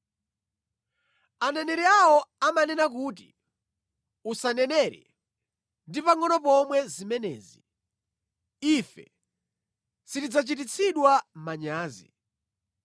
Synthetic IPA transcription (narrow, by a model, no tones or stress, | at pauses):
anɛnɛɾɛawɔamanɛnak̬uːt̬i | usanɛnɛɾɛ̰ | ndipaŋɔnɔpɔmwɛzimɛnɛ̰ːzi | ifɛ̰ | sitid͡zat͡ʃit̬it͡sʰiɗwam̩maɲaːzḭ